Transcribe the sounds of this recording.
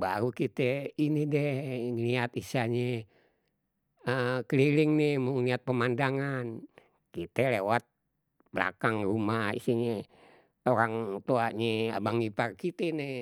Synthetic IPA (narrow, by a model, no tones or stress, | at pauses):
ba̰ɾukit̪einidɛhŋliat̪isaɲe | əkliliŋnɛhmuŋliat̪̚pəmandaŋan | kit̪ɛlewat̪̚ | bəla̰kaŋrumahḭsiɲe | oɾaŋt̪uaɲea̰baŋiparkit̪enɛ